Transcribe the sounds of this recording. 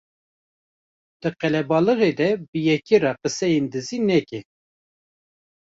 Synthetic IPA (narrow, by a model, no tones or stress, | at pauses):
d̪̥ɨqɛlɛbɑːlɨɣed̪ɛbəjɛkerɑːqəsɛjend̪ɨzinɛkɛ